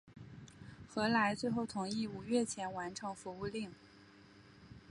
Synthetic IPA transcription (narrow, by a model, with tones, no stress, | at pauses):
xɤ˧˥la˧˥ɪt͡swe˥˧ɪxo˥˩ʊt̪ʰʊ˧˥ŋi˥˩u˨˩ɥɛ˥˩t͡ɕʰjɛ˧˥nwa˧˥nʈ͡ʂʰɤ˧˥ŋfu˧˥u˥˧li˥˩ŋ